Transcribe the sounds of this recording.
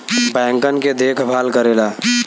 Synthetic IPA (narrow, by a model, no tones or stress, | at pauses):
bɛ̃ːŋkənked̪eːkʰbʱaːlkəɾeːla